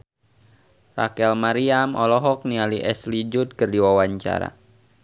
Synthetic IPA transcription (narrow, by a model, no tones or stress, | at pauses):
rakɛlmaɾiamʔɔlɔɦɔk̚nialiʔɛslid͡ʒud̪̚kərdiwawaɲt͡ʃa̰ɾa̰